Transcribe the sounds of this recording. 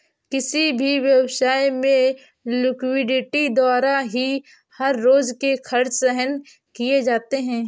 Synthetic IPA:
kɪsibʱiʋjəwsaːimẽ | lɪkwɪɖɪʈid̪aːɾaɦi | hɐɾːoːzkekʰɐɾt͡ʃsɛɦən | kijed͡ʒaːt̪eɦɛ̃ː

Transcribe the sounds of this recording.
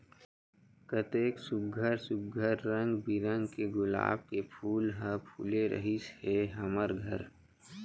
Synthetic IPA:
kət̪eːksʊb̚ɡʱəɾsʊb̚ɡʱəɾːə̃ŋɡbʱiɾə̃ŋɡkeɡʊla̰ːb̚kepʰuːlɦə̃pʰṵːleɾə̰ɦisheɦɐməɾɡʱəɾ

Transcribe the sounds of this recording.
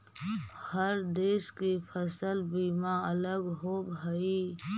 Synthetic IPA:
həɾd̪eːʃkifʰəsəlbiːmãələɡɦoːbɦəiː

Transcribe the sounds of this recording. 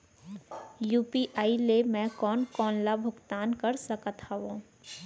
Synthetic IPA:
juːpiʔaːilemɛ̃kɔːnkɔːnlabʱʊɡt̪aːnkɐɾsəkət̪ʰaʋõː

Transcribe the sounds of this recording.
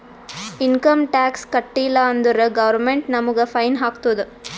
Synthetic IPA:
ɪnkɐmʈaːkskɐʈːɪjlaːɐnd̪ɯɾɐɡɐʋɐɾmɛɳʈnɐmɯɣɐfɐɪnɦaːkt̪oðɯ

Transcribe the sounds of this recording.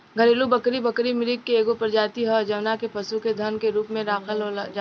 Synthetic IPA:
ɡʱɐɾeːlubɐkɾibɐkɾimɪlɪkkːeeːɡopɐɾd͡ʒaːt̪iɦɔd͡ʒɐʋnakepɐsuked̪ʱɐnkeɾuːpmẽd̪aːxʰəlɦod͡ʒa

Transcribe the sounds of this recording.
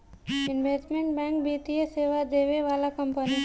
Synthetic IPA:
ɪnʋeːsʈmẽɳʈ̚bɛ̃ːŋkbʱiːt̪ieseːʋad̪eːʋeʋaːlakə̃mpəni

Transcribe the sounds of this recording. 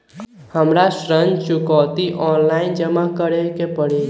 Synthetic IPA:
həmɾasɾə̃nd͡ʒt͡ʃʊkɔːt̪iʔɔːnlaːɪnd͡ʒəmakəɾekepəɽe

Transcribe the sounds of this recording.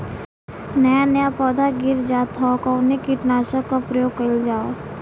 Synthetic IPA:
nɐjanəjapɔːd̪aɡɪɾd͡ʒaːt̪ʰakaʊnekiʈnaːʃəkːapɾɐjoːɡkɐld͡ʒaːo

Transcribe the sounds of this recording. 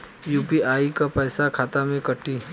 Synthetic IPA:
juːpiaːikapɛːsakʰaːt̪amẽkɐʈːi

